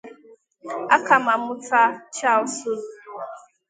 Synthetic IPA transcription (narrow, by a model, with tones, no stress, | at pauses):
a˦ka˨ma˨mʊ˦ta˦t͡ʃa˦˨ʊ˨sʊ˦lʊ˨˦